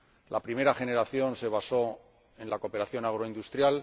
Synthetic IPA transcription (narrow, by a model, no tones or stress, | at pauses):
lapɾime̞ɾaχe̞ne̞ɾaθjo̞nse̞β̞aso̞ | e̞nlako̞pe̞ɾaθjo̞naɣ̞ɾo̞ind̪ust̪ɾjal